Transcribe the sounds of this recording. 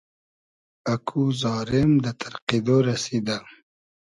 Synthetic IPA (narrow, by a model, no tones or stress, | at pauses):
akʰuzɑːɾɪmd̪ət̪ʰaɾqid̪oɾasid̪a